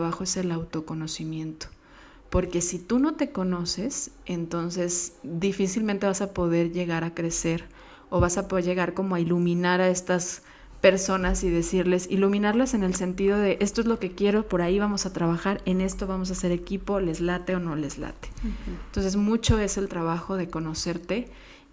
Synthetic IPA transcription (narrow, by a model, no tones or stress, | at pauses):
βaxo̞e̞se̞lawt̪o̞ko̞no̞simjẽ̞nt̪o̥ | po̞ɾke̞sit̪uno̞t̪e̞ko̞no̞se̞se̞nt̪o̞nse̞sd̪ifisilmẽnt̪e̞βasapo̞ðe̞ɾʝe̞ɣaɾakɾe̞se̞ɾ | o̞βasapoðeɾʝe̞ɣaɾko̞mo̞ailumĩnaɾae̞st̪as | pe̞ɾso̞nasiðe̞siɾle̞silumĩnaɾlase̞ne̞lse̞nt̪iðo̞ðe̞ʔe̞st̪o̞e̞zlo̞ke̞kje̞ɾo̞po̞ɾaiβamo̞sat̪ɾaβaxaɾe̞ne̞st̪o̞βamo̞s̬ase̞ɾe̞kipo̞lezlat̪e̞ono̞lezla̰t̪e̥nt̪o̞nse̞zmut͡ʃo̞e̞se̞lt̪ɾaβ̞axo̞ð̞e̞ko̞no̞se̞ɾt̪e̞